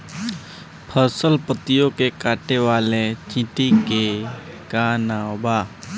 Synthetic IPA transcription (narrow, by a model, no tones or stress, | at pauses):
pʰəsəlpət̪ijõkekaːʈeʋaːlet͡ʃɪ̃ʈ̪ikeɡaːnabaː